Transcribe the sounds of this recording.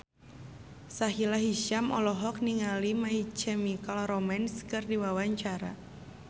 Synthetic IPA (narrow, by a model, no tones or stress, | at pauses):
saɦilaɦiʃamɔ̰lɔɦɔkniŋalimait͡ʃɛmikalɔɾɔmɛnskɨrdiwawaɲt͡ʃaɾa̰